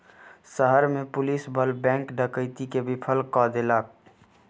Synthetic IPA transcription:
səɦəɾmẽpʊliːsbʱəlbɛ̃ːŋkɖəkəɪt̪ikebʱɪpʰəlkːɔːd̪elaːk

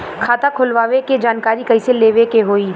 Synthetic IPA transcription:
kʰaːt̪akʰʊlʋaːʋeked͡ʒaːnkaːɾikɐiseleːʋekeɦoːiː

